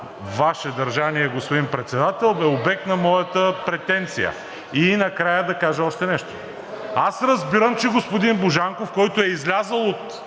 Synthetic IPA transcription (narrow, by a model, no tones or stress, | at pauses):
vaʃɛd̪ɐɾʒaniɛɡospʊd̪inpɾɛt̪sɛd̪at̪ɛlˠbɛobɛk̚t̪nɐmɔjət̪əpɾɛt̪ɛnt̪sijə̰ | inɐkɾajəd̪ɐkaʒəɔʃt̪ɛnɛʃt̪o̥ | asɾəzbiɾəmt͡ʃɛɡospod̪inboʒaŋkofkɔjt̪oɛizlʲazəlˠot̪